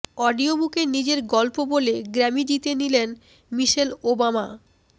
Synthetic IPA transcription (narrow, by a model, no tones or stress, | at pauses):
ɔɖiobukenid͡ʑeɾɡɔlpoboleɡɾɛmid͡ʑit̪enilen | miʃelobama